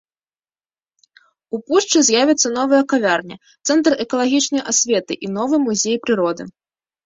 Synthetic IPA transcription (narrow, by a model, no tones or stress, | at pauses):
upuʂt͡ʂɨzʲjavʲɛt̪sːɐn̪ɔvɨjɐkavʲarnʲɐ̰ | t̪sɛnt̪rɛkɐlˠaɣʲit͡ʂnɐjʔasʲvʲɛt̪ɨʔinɔvɨjmuzʲejpɾɨɾɔd̪ɨ̰